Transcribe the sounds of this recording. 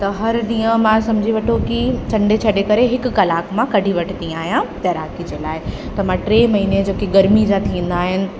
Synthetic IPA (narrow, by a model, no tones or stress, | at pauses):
t̪ɐɦɐɾɗ̪ĩːjə̃mãsɐmd͡ʑʱiʋɐʈʰokit͡ɕʰɐ̃ɳɖet͡ɕʰɐɗekɐɾeɦɪkːɐlaːkmãkɐɖʱiʋɐʈʰt̪ĩːaːɦijãt̪ɐɾaːkid͡ʑeːlaːɪ | t̪ɐmãʈɾeːmɐɦiːned͡ʑoːkiɡɐɾmid͡ʑãt̪ʰĩːn̆d̪aːɦɪnɪ̆